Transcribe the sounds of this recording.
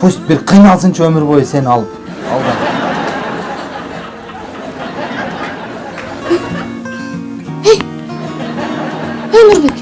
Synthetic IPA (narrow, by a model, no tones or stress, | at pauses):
pʰust̪̚bɪɾqʰijnɑlˠsənt͡ʃʰaɵmɪɾbo̞jəse̞nɑlˠəp | ɑ̰lˠβɑd̪ | ej | ɵmɪɾbek